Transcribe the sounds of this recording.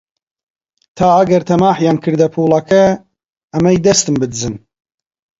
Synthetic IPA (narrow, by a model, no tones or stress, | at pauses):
t̪ʰaːɐɡɐɾt̪ʰɐmaːħjɑːnkʰɨɾd̪ɐpʰuːlˠɑkʰɛ | ɐmɛjd̪ɐst̪ɨmbɨd̪ɨzɨn